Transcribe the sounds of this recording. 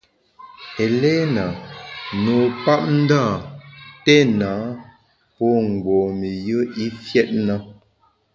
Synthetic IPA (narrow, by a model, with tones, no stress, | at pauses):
ɛ˨lɛ˦na˨no˨pa˦p̚n̩˦da˦˨tɛ˦na˨˦ | pɔ˦ŋ̩˨ɡwɔː˨mi˨jə˦i˦fjɛ˦t̚na˦